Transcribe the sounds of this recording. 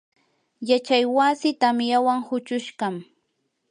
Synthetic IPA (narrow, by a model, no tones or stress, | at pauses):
jat͡ʃajwasɪt̪amjawaŋhʊt͡ʃʊʃɢɑm